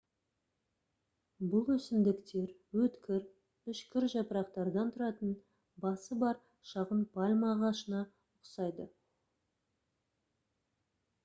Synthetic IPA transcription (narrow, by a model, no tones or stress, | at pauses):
bʊlˠwɵsɪmd̪ɪkt̪e̞ɾwɵt̪kʲɪɾ | ʏʃkʲɪɾʒɑpəɾɑqt̪ɑɾd̪ɑnt̪ʰʊɾɑt̪ən | bɑsəbɑɾ | ʃɑʁənpʰɑlʲmɑʁɑʃənɑ | ʊqsɑjd̪ə